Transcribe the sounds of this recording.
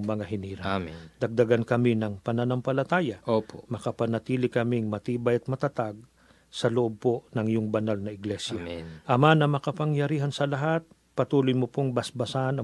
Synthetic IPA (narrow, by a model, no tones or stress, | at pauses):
ŋmɐŋaɦɪniːɾɐd̪̥ɐɡ̚d̪ɐɡankɐmɪnɐŋpɐnɐnɐmpɐlɐt̪aːjɐʔopomɐkɐpɐnɐt̪iːlɪkɐmɪŋmɐt̪iːbɐjɐt̪̚mɐt̪ɐt̪aɡ̚ | sɐloʔob̚ponɐŋɪjʊŋbɐnalnɐʔɪɡlɛsjaʔɐmanɐmɐkɐpɐŋjɐɾiːɦɐnsɐlɐɦat̪̚ | pɐt̪uːlʊjmopoŋbɐsbɐsaʔɐnɐ